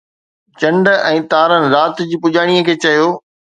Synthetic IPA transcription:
t͡ɕɐ̃ɳɖɛ̃ːt̪aːɾənɪ̆ɾaːt̪d͡ʑiːpʊd͡ʑaːɽ̃ijəkʰeːt͡ɕɐjoː

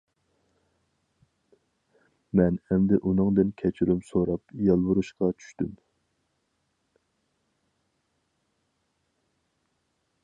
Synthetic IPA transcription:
mɛnɛmd̪ɪʔunɨŋd̪ɨnkʲʰɛt͡ʃʰyɾymsoɾɑpjɑlˠwuɾuʃqɑt͡ʃʰy̥ʃt̪ym

